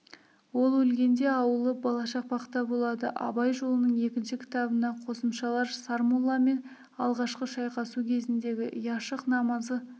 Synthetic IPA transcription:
wo̞lˠwɵlɡʲe̞nd̪e̞ɑwəlˠəbɑlˠɑʃɑq̚bɑqət̪ːɑbo̞lˠɑd̪əʔɑ̰bɑjʒo̞lˠənəɴe̞kʲɪnʃɪkʲʰɪ̥t̪ɑbənɑqʰo̞səmʃɑlˠɑɾsɑɾmolˠːɑme̞n | ɑlˠʁɑʃqəʃɑjqɑsukʲʰe̞zɪnd̪e̞ɡʲɪʔəjɑʃəqnɑmɑzə

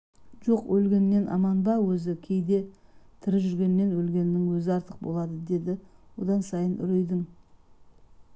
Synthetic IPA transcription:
ʒo̞qwɵlɡʲe̞nme̞nʔɑ̰mɑnbɑwɵzɪkʲʰe̞jd̪e̞t̪ʰɪɾʒʏɾɡʲe̞nme̞nwɵlɡʲe̞nɪːɪŋwɵzɪɑɾt̪əq̚bo̞̰lˠɑd̪əd̪e̞d̪ɪwo̞d̪ɑnsɑjənʏ̰ɾejd̪ɪŋ

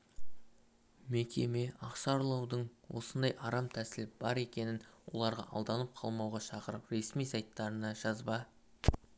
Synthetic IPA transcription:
me̞kʲe̞me̞ɑqʃɑɾlˠɑwd̪əɴwo̞̰sənd̪ɑjʔɑɾɑmt̪ʰæsɪlɪp̚b̥ɑɾe̞kʲe̞nɪnwo̞lˠɑɾʁɑ̰ʔɑlˠd̪ɑnəp̚qʰɑlˠmɑwʁɑʃɑqəɾəpɾe̞smijsɑjt̪ːɑɾənɑʒɑzbɑ

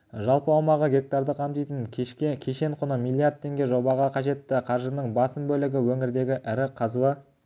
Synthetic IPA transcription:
ʒɑlˠpəɑwmɑʁəɡʲe̞k̚t̪aɾd̪əqʰɑmt̪ijt̪əŋʲʰekʲʰe̞ʃe̞ɴqʰʊnəmijlˠːijard̪̚t̪ʰːe̞ŋɡʲe̞ʒobɑʁɑqʰɑʒe̞t̪ːɪqʰɑɾʒənəɴbɑsəmbɵlɪɡʲɪwɵŋɪɾd̪e̞ɡʲɪʔɪɾɪqʰɑzuə

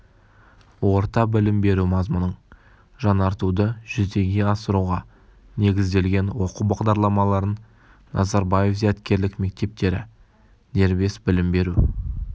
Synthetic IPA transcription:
wo̞ɾt̪ɑbɪlɪmbe̞ɾumɑzmʊnəɴ | ʒɑnɑɾt̪ud̪əʒ̥ʏzd̪e̞ɡʲe̞ɑsəɾuʁɑ | ne̞ɡʲɪzd̪e̞lɡʲe̞nwo̞qubɑʁd̪ɑɾlˠɑmɑlˠɑɾən | nʔɑ̰zɑɾbɑje̞fzæt̪kʲe̞ɾlɪkme̞k̚t̪e̞p̚t̪e̞ɾɪ̰ | d̪e̞ɾbe̞sbɪlɪmbe̞ɾu

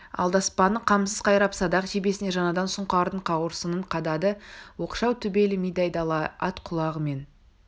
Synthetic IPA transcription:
ɑ̰lˠd̪ɑspɑnəqʰɑmsəz̥qʰɑjɾɑpsɑd̪ɑqʒebe̞sɪne̞ʒɑnɑd̪ɑnsʊɴqɑɾd̪əɴqʰɑwəɾsənəɴqʰɑd̪ɑd̪əwo̞qʃɑwt̪ʰʏbe̞lɪmijd̪ɑjd̪ɑlˠɑɑt̪qʰʊlˠɑʁəme̞n

